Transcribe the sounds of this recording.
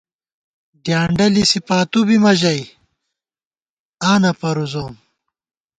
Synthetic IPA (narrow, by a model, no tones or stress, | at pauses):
d̪jaːɳɖɐlisipaːt̪ubimɐʑɐj | aːnɐpɐɾuzoːm